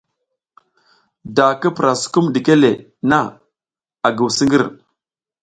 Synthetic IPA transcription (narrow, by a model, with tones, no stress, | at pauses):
da˨kə˦pɾa˨su̥˨ku˦mdi˨ke˦le˨ | na˦˨ | a˨ɡə˨wsi˦ŋɡə˦ɾ